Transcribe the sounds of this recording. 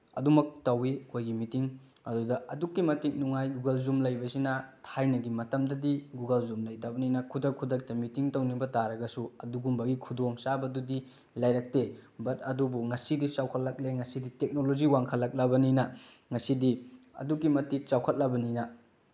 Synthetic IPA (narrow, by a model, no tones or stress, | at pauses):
ɐ̰dumɐk̚tɐwikojɡimitiŋ | ɐdudɐɐdukːimɐtik̚nuŋajɡuɡɐlzumlɐjbɐsinɐtʰajnɐɡimɐtɐmdɐdiɡuɡɐlzumlɐjtabɐninɐkʰudɐk̚kʰudɐk̚tɐmitiŋtɐwnibɐtaɾɐɡɐsuɐduɡumbɐɡikʰudoŋsabɐdudi | lajɾɐk̚tebɐt̚ɐdubuŋɐsidit͡ʃawkʰɐt̚lɐk̚leŋɐsiditek̚nolod͡ʒiwaŋkʰɐlːɐk̚lɐbɐninɐ | ŋɐsidiɐ̰dukːimɐtik̚t͡ʃawkʰɐt̚lɐbɐninɐ